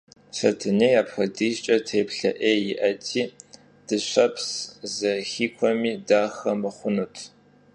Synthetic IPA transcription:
ɕɐ̰tʰɨneːjaːpxɐdiːɕt͡ʃʼɐtʰeːpɬɐʔeːjɪʔɐtʰiː | d̥ɨɕʷɐpʰszɐxiːkʷʰɔmiːdaːxɐmɨχʷʊnutʰ

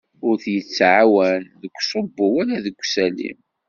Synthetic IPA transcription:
ʊɾθjət͡sːʕawænðəkʷːsˤobːʊwælæðəɡʷːsælḭm

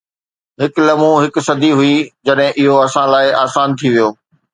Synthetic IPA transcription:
ɦɪklɐmũɦɪksɐd̪ʱiɦʊid͡ʑɐɗɦɪ̃ʔɪɦoɐsãlaːɪʔaːsaːnt̪ʰiʋijoː

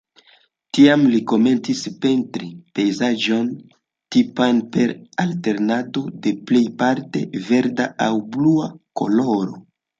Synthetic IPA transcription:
tiamliko̞me̞nt͡sispe̞ntɾipe̞jzad͡ʒo̞n | tipanpe̞ɾalte̞ɾnado̞de̞ple̞jpaɾte̞ve̞ɾdaawbluako̞̰lo̞ɾo̞

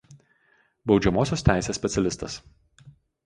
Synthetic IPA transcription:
bɒʊd͡ʒʲɛmoːsʲoːst̪ʲæˑɪsʲeːsʲpʲɛt̪sʲɛlʲɪst̪ɐs

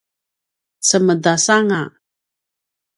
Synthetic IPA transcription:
t͡səmədasaŋa

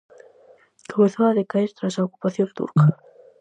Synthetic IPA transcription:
koβeθoaðekaeɾt̪ɾasaoku̥paθjõnt̪ṵɾka

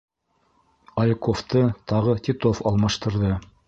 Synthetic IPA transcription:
ɐlʲkoft̪ɤt̪ɑʁɤt̪ʲit̪ofɑlˠmɑʃt̪ɤ̆ɾðɤ

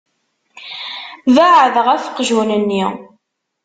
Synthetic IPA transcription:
vaʕðʁæfqːʒunənːi

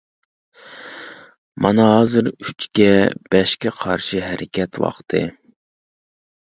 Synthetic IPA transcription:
mɑnɑɦɑːzɨɾyt͡ʃkʲɛb̥ɛʃkʲɛqʰɑɾʃiɦɛɾɪkʲɛt̪wɑ̰χt̪ʰɨ̰

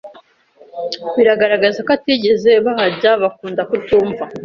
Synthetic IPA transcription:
βiɾaɡaɾaɡazakatiɟe̞ze̞βaɦaɾɟaβakuːndakutuːɱva

